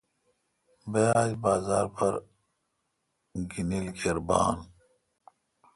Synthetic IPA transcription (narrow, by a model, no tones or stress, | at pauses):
bejaːjbaːzaːɾpʰɐɾ | ɡinilkʰeɾba̰ːn